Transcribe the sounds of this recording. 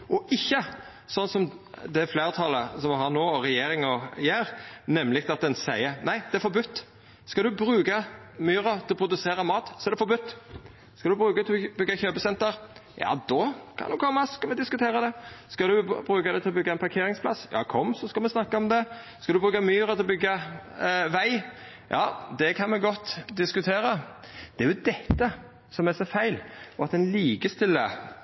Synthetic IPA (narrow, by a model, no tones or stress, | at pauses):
ɔʔɪçːə | sɔnːsɔmd̪ɛflæːʁt̪ʰɑləsɔmɦɑɾnoːɔɾɛjeːɾɪŋɔjæːɾnɛmːlɪk̚t̪ɑt̪̚d̪ɛnsæɪənæɪd̪̥ɛæɾfɔɾbʉt̪ː | skɑld̪ʉbɾʉːɡəmyːɾət̪ʰɪlɔpʰɾʊd̪ʉseːɾɑmɑːt̪sɔɛd̪ɛfɔɾbʉt̪ː | skɑld̪ʉbɾʉːɡət̪ʰbʏɡːɑçøːbəsɛnt̪əɾjɑ̰ːd̪ɔkʰɑ̰nukʰɔmːɑskɑlmɛd̪ɪskʉt̪ʰeːɾɑd̪ɛskɑd̪ʉbɾʉːkɑd̪ɛt̪ʰɪlɔbʏɡːɑɛnpʰɑɾkʰeːɾɪŋspʰlɑsjɑ̰ːkʰɔmsɔskɑlmɛsnɑkːɑɔmd̪ɛ | skɑd̪ʉbʁʉːkɑmyːɾət̪ʰɪlɔbʏɡːɑ | ʋæɪ | jɑ̰ːd̪ɛkʰɑnmɛɡɔt̪ːd̪ɪskʉt̪ʰeːɾə | d̪̥ɛæɾjʊd̪ɛt̪ːə | sɔmæsɔfæɪlɔɑt̪ɛnliːɡəst̪ɪlːə̰